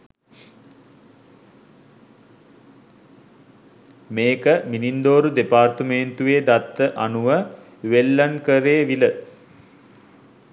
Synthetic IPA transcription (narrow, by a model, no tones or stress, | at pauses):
meːkəminind̪oːɾud̪epaːrt̪əment̪uʋeːd̪at̪ːəʔanuʋə | ʋelːankəɾeːʋilə